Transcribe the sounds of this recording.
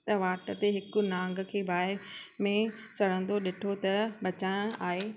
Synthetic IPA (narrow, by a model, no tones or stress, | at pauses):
t̪ɐʋaːʈət̪eɦɪkʊ̆nãːŋɡə̆kʰeːbʱaːɦɪɾmẽt͡ɕɐɽ̤ə̃n̆d̪oɗɪʈʰot̪ɐbɐt͡ɕaːj̃aːɦeː